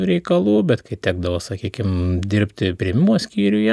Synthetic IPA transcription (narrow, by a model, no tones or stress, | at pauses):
ɾʲɛɪkɐlˠuːbʲɛt̪kɐɪt̪ʲæːɡd̪ɐʋoːsɐkʲiːkʲɪmd̪ʲɪɾʲpʲt̪ʲɪpʲɾʲɪɛmʲɪmuoɔsʲkʲiːɾʲʊjɛ